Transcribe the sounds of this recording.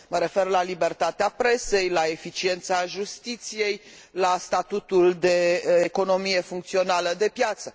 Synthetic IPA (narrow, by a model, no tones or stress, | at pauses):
məɾe̞fe̞rlalibe̞rt̪at̪eapɾe̞se̞jlae̞fit͡ʃie̞nt̪saʒust̪it̪sije̞j | last̪at̪ut̪uld̪e̞ːko̞no̞mije̞fuŋkt̪sio̞naləd̪e̞pjat̪sə